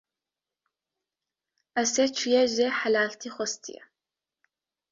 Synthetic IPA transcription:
ɐset͡ʃʷʰjɛʒeːħalaːɬtʰiːχʷɔstʰḭjɛ̰

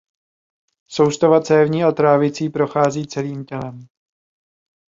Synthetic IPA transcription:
so̞wst̪ovat͡sɛːvɲiːʔat̪ɾaːvɪt͡siːpɾo̞xaːziːt͡sɛliːmcɛlɛm

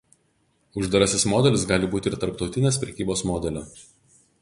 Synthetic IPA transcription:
ʊʒd̪ɐɾɐsʲɪsmɔːd̪ʲɛlʲɪsɡɑːlʲɪbuːt̪ʲɪɾt̪ɐɾpt̪ɒʊt̪ʲɪnʲeːspʲɾʲɛkʲiːboːsmɔːd̪ʲɛlʲoː

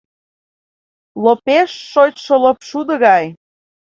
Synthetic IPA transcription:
lopeʃːot͡ɕʃəlɤpʃud̪əɣɑj

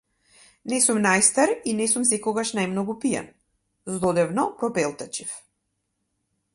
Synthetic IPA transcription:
nɛsumnajst̪aɾinɛsums̬ɛkɔɡaʃnajmnɔɡupia̰n | zlˠɔd̪ɛvnɔpɾɔpɛlˠt̪ɛt͡ʃif

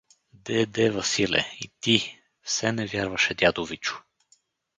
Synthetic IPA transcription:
d̪ɛd̪ɛvɐsilɛ̰ḭt̪i | fsɛnɛvʲjaɾvɐʃɛd̪ʲjad̪ovit͡ʃʊ̥

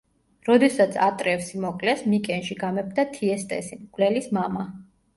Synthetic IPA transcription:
ɾɔd̪ɛsat̪sʰat̪ʼɾɛfsimɔkʼlɛsmikʼɛnʃiɡamɛp̚ʰd̪at̪ʰiɛst̪ʼɛ̰simɡʼvlɛlismama

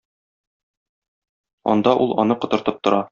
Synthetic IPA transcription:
ɒ̰nd̪ɑʔulˠɒ̰nɤqŏt̪ɤ̆ɾt̪ɤp̚t̪ŏɾʔɑ

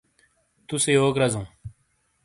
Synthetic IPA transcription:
t̪useːoːkɾɐzũː

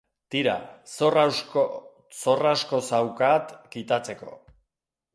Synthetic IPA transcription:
t̪iɾa̰sr | so̞rasko̞sawkat̪kit̪at͡se̞ko̞̰

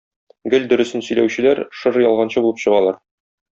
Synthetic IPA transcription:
ɡɘld̪ɵ̆ɾɵ̆sɘnsɵ̆jlæwɕɘ̆læɾʃɤɾjɒlˠʁɑnɕɤbulˠɤpɕɤ̆ʁɑlˠɑɾ

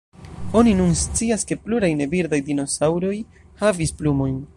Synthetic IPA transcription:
o̞ninunst͡siaske̞pluɾajne̞viɾdajdino̞sawɾo̞j | havisplumo̞jn

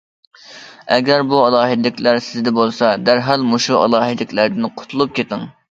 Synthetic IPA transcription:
ɛ̰ɡʲæɾbuɑlˠɑːɦɪd̪ɪlɪkʲlæɾsɪzd̪ɛbolˠsɑd̪æɾɦɑlmoʃuɑ̰lˠɑːɦɪd̪ɪkʲlæɾd̪ɪnqʰʊ̥t̪ʰulˠup̚kʲet̪ɪŋ

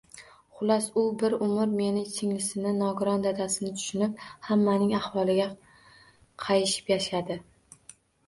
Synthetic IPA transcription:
χʊlˠasʊbɪɾʊmʊɾme̞nɪt͡ʃʰɪŋlɪsɪnɪnɒɡʊɾɒnd̪ad̪asɪnɪt̪ʰʊ̥ʃʊnɪp̚hamːanɪŋahwɒlˠɪɡʲa | qʰɑjɪʃɪ̥pjaʃad̪ɪ

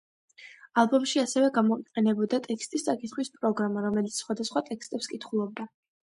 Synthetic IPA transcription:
alˠbɔmʃiasɛvɛɡamɔiqʼɛnɛbɔd̪at̪ʼɛkʰst̪ʼist̪sʼakʼit̪χwispʼɾɔɡɾamaɾɔmɛlit̪ssχwad̪asχwat̪ʼɛkst̪ʼɛpskʼit̪ʰχulˠɔb̚d̪a

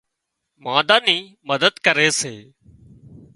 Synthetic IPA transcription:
mãːd̪aːnĩː | məd̪əd̪kəɾeːsḛː

